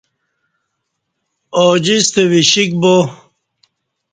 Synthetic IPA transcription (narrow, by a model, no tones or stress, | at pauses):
od͡ʑist̪ewiɕik̚bo